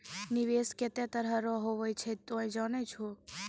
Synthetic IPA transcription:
niʋesket̪jãt̪əɾɦaɾɔɦoʋojt͡ʃʰet̪oẽd͡ʒanet͡ʃʰo

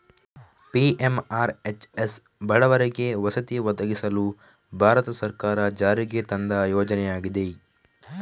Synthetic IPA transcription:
piʔemaːɾet͡ʃes | bɐɭɐʋɐɾeɡeʋɐsɐt̪iʋɐd̪ɐɡisɐlu | bʱaːɾɐt̪ɐsɐɾkaːɾɐd͡ʒaːɾiɡet̪ɐnd̪ɐjoːd͡ʒɐnɛjaːɡid̪e̞

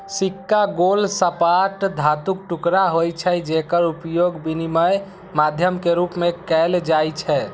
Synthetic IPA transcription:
sikːaɡolsəpaʈd̪ʱat̪uk̚ʈukɾaɦojt͡ʃʰɛd͡ʒekəɾupjoɡbiniməj | mad̪ʱjəmkeɾupmekɛld͡ʒajt͡ʃʰɛ

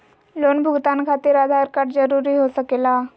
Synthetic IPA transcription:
lonbʱuɡt̪ankʰat̪iːɾad̪ʱaɾkaʈd͡zəɾuɾiːɦosəkela

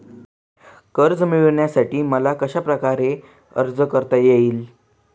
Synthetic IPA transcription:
kəɾd͡zmiʋɭɳjasaʈiːməlakəɕapɾəkaɾe | ə̰ɾd͡zəkəɾt̪ajeiːl

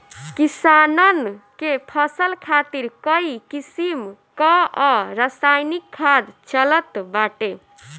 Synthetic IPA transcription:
kisanənkepʰəsəlkʰat̪iɾkəikisimkəɔɾəsajnikʰːad̪t͡ʃələt̪baʈe

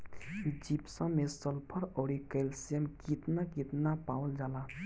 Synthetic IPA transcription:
d͡ʒipsə̃mesəlpʰəɾɔːɾikəlsijəmkit̪nakit̪napawld͡ʒala

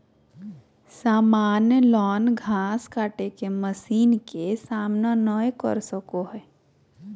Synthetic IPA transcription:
saːmaːnjəlɔːnɡʱaːskaːʈekeməsiːnkesaːmnanɔekɔ̰ɾsəkoɦɛː

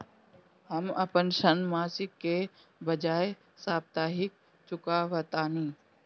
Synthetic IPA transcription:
həmɐpənʃənmaːsɪkːe | bəd͡ʒaːe | saːb̚t̪aːɦɪk̚ | t͡ʃʊkaʋət̪aːnĩː

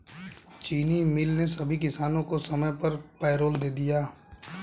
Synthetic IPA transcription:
t͡ʃiːnimɪlnesɐbʱikɪsaːnõkosɐməjpɐɾpɛːɾoːld̪eːd̪ijaː

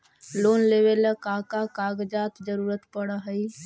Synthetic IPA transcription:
loːnleːʋelkaːkakaːɡd͡ʒaːt̪d͡ʒəɾuːɾət̪pəɽaɦəi

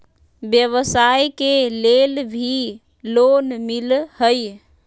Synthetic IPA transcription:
bjəβəsajkelelbʱi | lonmilhəj

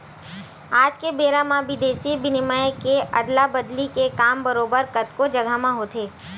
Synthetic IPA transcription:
aːd͡ʒkebeːɾamãbɪd̪eːsibɪnɪmajkeə̰d̪labəd̪likekaːmbəɾoːbəɾkət̪kod͡ʒəɡʱamãɦot̪ʰeː

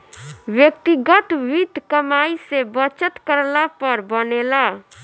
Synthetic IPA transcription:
ʋjək̚t̪iɡət̪ʋid̪ʱkəmaisebət͡ʃət̪kəɾlapəɾbənela

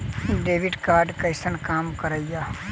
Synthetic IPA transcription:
ɖeːʋiɖkaːɾɖkəɪsənkaːmkəɾəija

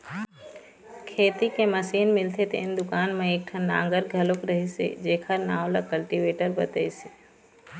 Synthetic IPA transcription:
kʰeːt̪ikeməsiːnmɪlt̪ʰet̪ʰḛɪnd̪ʊkaːnmẽeːk̚ʈʰɐnːã̰ːŋɡəɾɡʱɐlokɾəɦisḛd͡ʒeːkʰəɾnaːwlakəlʈiʋeːʈəɾbət̪əisi̥

